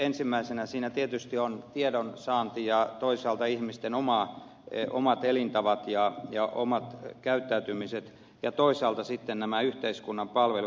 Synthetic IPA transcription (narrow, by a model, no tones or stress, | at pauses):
ensimːæisenæsiːnæt̪iet̪yst̪iont̪iedonsɑːnt̪ijɑt̪oisɑːlt̪ɑihmist̪enomɑ | ʔo̰mɑt̪elint̪ɑʋɑt̪jɑjɑʔomɑt̪kæyt̪ːæyt̪ymiset̪ | jɑt̪oisɑːlt̪ɑsit̪ːennæmæyht̪eiskunːɑmpɑlʋelu